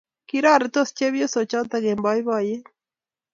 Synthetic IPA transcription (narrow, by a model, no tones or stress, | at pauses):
kiɾaɾet̪ost͡ʃeβjosot͡ʃat̪aɣembajβaje